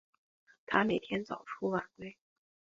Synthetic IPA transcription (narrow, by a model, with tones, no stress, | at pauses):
t̪ʰa˥me˨˩ɪt̪ʰjɛ˥nt͡sɑ˨˩ʊʈ͡ʂʰu˥wa˨˩nkwe˥ɪ